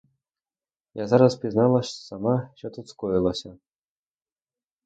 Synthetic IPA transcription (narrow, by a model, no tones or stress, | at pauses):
jɑzɑɾɤ̆spʲiznɑlˠɑɕsɑmɑɕot̪ɤ̆t͡skojlˠɑɕɤ̆